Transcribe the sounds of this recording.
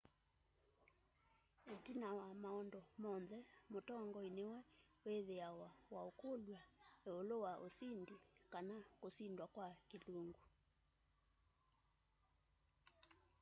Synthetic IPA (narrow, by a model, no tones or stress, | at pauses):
etinawamaɔndɔmɔnðɛmotɔŋɡɔinewɛweðeawawaokolwaolowaʔosindikanakosindwakwakeloŋɡu